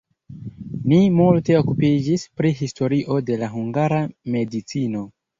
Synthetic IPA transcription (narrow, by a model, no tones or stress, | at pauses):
nimulte̞o̞kupid͡ʒispɾiɦisto̞ɾiʔo̞de̞laɦuŋɡaɾame̞dit͡sino̞